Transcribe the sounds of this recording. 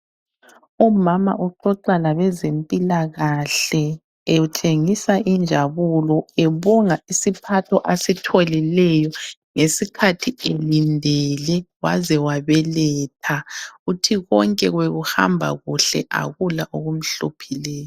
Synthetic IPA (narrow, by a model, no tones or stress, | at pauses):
umama̰ʔuǃɔǃalaβɛzempʼilaɣaɬɛ | eutʰeŋisaʔind͡ʒʱaβulɔeβɔŋaisipʰatʰɔʔasitʰɔlilɛjɔ | ŋesikʰatʰielindʱɛlɛwa̰zɛwaβɛlɛːtʰautʰiɣɔŋkʼɛɣweɣuha̰mbʱa̰ɣuɬɛʔa̰ɣulaʔoɣum̩ɬopʰilɛːjɔ